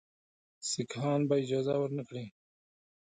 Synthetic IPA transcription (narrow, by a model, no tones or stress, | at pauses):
sikhɑːnbaɪd͡ʒɑːzawəɾnakɽiː